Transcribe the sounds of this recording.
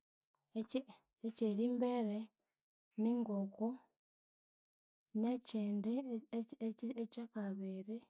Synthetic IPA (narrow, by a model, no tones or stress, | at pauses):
e | eceɾimbeɾe | niŋɡoko | neceːnde | ecakaβeɾe